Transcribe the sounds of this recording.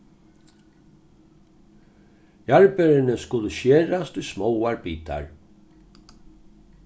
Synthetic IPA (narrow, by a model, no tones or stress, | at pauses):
jaɹpɛɾɪnəskʊlʊʃeːɾast̪ujsmɔwaɹpiːt̪a̰ɹ